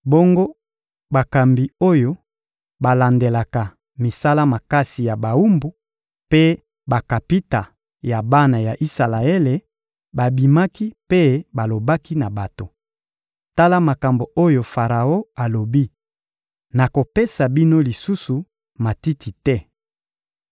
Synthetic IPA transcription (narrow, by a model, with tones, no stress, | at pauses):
bo˦ŋɡo˦ | ba˨ka˨mbi˨o˦jo˦ | ba˨la˨nde˨la˨ka˨ | mi˨sa˦la˦ma˨ka˦si˨ja˨ba˨u˦mbu˨ | pe˦ | ba˨ka˨pi˦ta˨ | ja˨ba˦na˨ja˨ʔi˦sa˨la˨e˦le˨ | ba˨bi˨ma˦ki˦pe˦ba˨lo˨ba˦ki˦na˨ba˨to˨ | ta˦la˦ma˨ka˨mbo˨o˦jo˨fa˨ʁa˨o˦a˨lo˨bi˦ | na˨ko˨pe˦sa˨bi˦no˦li˨su˦su˨ | ma˨ti˦tʰi˨tɛ˦